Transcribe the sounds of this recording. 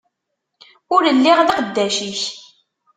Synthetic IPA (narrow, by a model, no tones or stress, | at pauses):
ʊɾəlːɪʁðqəd̪ːæʃiç